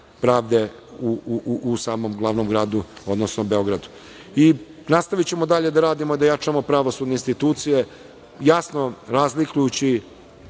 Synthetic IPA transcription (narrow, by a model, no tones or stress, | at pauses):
pɾaːʋd̪e̞ | uuʔusaːmomɡlˠaːʋnomɡɾaːd̪uo̞d̪nosnobe̞o̞ɡɾad̪u̥ | i | nast̪aʋit͡ɕe̞mo̞d̪aʎe̞d̪aɾaːd̪imoid̪ajat͡ʂamo̞pɾaʋo̞sud̪neinst̪it̪uːt̪sije | jasnoɾazlikujut͡ɕi